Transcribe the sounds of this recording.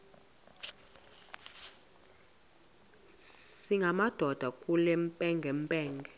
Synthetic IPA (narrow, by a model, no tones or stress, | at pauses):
siŋɡʱamad̥ʱɔd̥ʱakʼulɛmpʼɛŋɡʱɛmpʼɛːŋɡʱɛ